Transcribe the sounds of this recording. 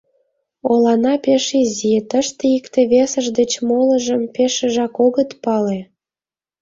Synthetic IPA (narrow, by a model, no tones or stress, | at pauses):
olɑnɑpeʃezit̪əʃt̪eikt̪eβesə̆ʒd̪et͡ɕmolə̆ʒə̆mpeʃə̆ʒɑkoɣət̪pɑle